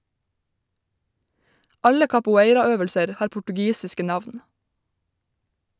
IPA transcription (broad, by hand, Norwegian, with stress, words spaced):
ˈɑlə kɑpʊˈeɪɾɑˌøːʋəlsəɾ ˈhɑːɾ pʊʈʉˈɡiːsɪskə ˈnɑʋn